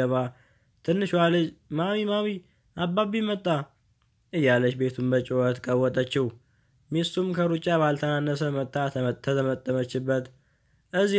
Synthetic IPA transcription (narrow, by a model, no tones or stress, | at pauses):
əβa | t̪ʰɨnːɨʃwalɨd͡ʒmawimawi | ʔabaβimət̪ʼːa | ʔɨjːalət͡ʃbe̞t̪ʰumbət͡ʃʼoət̪kʼəwːɔt̪ʼət͡ʃːɪh | mist̪umkʰəɾut͡ʃʼːaβalt̪ʰənanːəsəmət̪ʼːat̪ʰəətət̪ʰəmət̪ʼːəmət͡ʃːɪbːət̪ | ʔɨzːi